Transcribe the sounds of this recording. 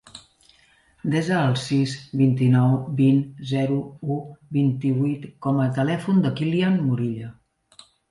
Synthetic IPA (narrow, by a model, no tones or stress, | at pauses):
d̪ɛzəːlˠsizbint̪inɔwbinzɛɾuubint̪iβujt̪kɔmət̪əlɛfund̪əkilianmuɾiʎə